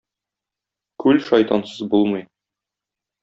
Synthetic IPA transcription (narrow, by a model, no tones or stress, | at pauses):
kʉlʃɒjt̪ɑnsɤzbulˠmɤj